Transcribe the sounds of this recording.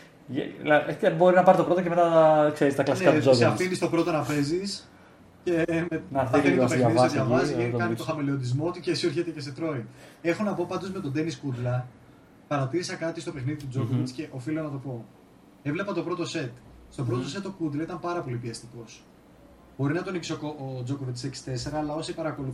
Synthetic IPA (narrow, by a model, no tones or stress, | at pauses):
lɐebo̞ɾinɐpɐɾit̪o̞pɾo̞t̪oceme̞t̪ɐkseɾist̪ɐklɐneɐoseɐffinist̪o̞pɾo̞t̪onɐpe̞zis | ce̞menɐeniopeɐiðsoðʝɐvɐziikɐnit̪oxɐmilio̞nd̪izmo̞ot̪icesieɾçet̪ece̞set̪ɾo̞ie̞xo̞nɐpo̞pɐnd̪ozme̞t̪o̞d̪e̞niskud̪lɐ | pɐɾɐt̪iɾisɐkɐt̪ist̪o̞pe̞xniðit̪ud͡zo̞kovit͡sce̞ʔofilonɐt̪o̞po̞ | evle̞pɐt̪o̞pɾo̞t̪o̞se̞t̪st̪o̞pɾo̞t̪ose̞t̪ːokud̪lɐit̪ɐmpɐɾɐpo̞lipiɐst̪iko̞s | b̥o̞ɾinɐt̪o̞nicsokoʔod͡zo̞kovit͡s̪seksi̥t̪e̞se̞ɾɐːlɐo̞sipɐɾɐko̞luθ